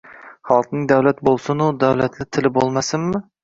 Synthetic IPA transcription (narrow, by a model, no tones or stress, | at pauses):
χɒlˠqnɪŋd̪awlat̪̚bolˠsʊnʊd̪awlat̪ʰlɪt̪ʰɪlɪbolˠmasɪmmɪ